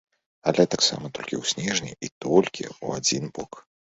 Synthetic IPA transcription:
alʲɛt̪aksa̰mɐt̪ɔlʲkʲḭwsʲnʲɛʐnʲiit̪ɔlʲkʲʰḭṵad͡zʲinbɔk

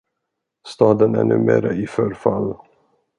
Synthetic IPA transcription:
st̪ɑːd̪ənɛ̰ɳɵ̟ːmḛːɾaɪfœɾfalː

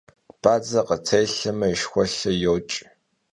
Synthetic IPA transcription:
b̥aːd͡zɐqət͡sʰɐjɬɐmɐiʃxʷɔɬɐjowt͡ʃʼ

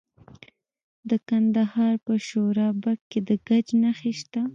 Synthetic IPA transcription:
d̪əkand̪ahɑɾpəʃoɾɑbakkːed̪əɡad͡ʒnaxeʃt̪a

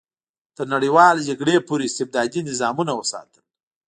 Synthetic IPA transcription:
t̪əɾnaɽijwɑld͡ʒaɡɽepoɾeɪst̪ɪb̚d̪ɑd̪inɪzɑmunawəsɑ̰t̪əl

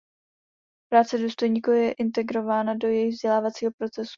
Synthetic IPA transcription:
pɾaːt͡sɛduːst̪o̞jɲiːkujɛʔɪnt̪ɛɡɾo̞vaːnado̞jɛjɪɣvzɟɛlaːvat͡siːɦo̞pɾo̞t͡sɛsu̥

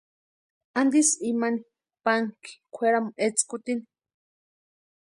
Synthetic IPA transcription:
and̪isimani | paŋki̥kʷʰeɾamuʔet͡skʊt̪ini

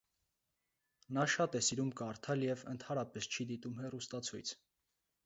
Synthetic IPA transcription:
nɑʃɑt̪ɛsiɾumkəɑɾt̪ʰɑljɛvənt̪ʰɑɾɑpɛst͡ʃʰid̪it̪umhɛrust̪ɑt͡sʰujt͡sʰ

